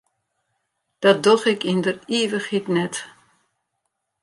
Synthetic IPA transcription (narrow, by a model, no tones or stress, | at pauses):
d̥ɔt̚doxɪkindəriːvəxhitnɛt